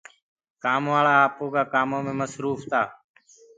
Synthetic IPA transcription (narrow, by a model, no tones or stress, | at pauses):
kaːmʋaːɭaːaːpoːkaːkaːmoːmẽːməsɾuːft̪ʰaː